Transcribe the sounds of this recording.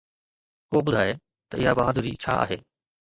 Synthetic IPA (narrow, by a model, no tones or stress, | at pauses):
koːbʊd̪ʱaːe | t̪ɐʔɪɦabaɦad̪ʱuɾḭt͡ɕʰa̰ːa̰ːɦḛː